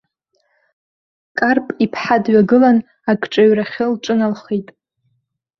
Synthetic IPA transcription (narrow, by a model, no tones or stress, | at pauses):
kʼarpʼipʰħadɥaɡɨlan | akʼʈ͡ʂʼaɥraχʲɪlʈ͡ʂʼɨnalχejtʼ